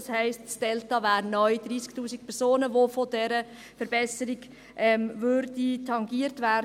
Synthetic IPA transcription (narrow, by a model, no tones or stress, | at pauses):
shɛɪstsd̥ɛltɑvæːɾnœʏd̪ɾiːsktuːsik̚pʰɛɾsoːnəʋofodɛɾə | fəɾbɛsəɾɪɡ | ʔɛmʋʏɾditʰɑŋɡiːəɾtʋæ